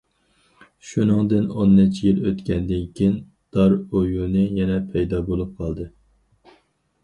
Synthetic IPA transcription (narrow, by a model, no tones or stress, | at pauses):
ʃunɨŋd̪ɨnonːɪt͡ʃʰijiløt̪kʲɛnd̪ɪnkʲʰijin | d̪̥ɑɾojunɨjɛnɛpʰɛjd̪ɑbolˠup̚qʰɑlˠd̪ɨ